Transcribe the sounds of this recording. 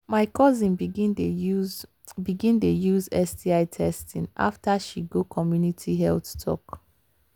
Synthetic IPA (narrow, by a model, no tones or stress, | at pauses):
maɪkɔzĩn | biɡĩntojuzɛsdiaɪtʰɛstĩnʔa̰ftaʃiɡokʰɔmjunitʰiɦɛlθtʰɔ̰k